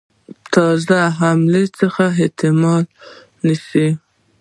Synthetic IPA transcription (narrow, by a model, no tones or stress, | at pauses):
t̪ʰɑzaɦamlet͡səxaɪt̪ɪmɑl | nisi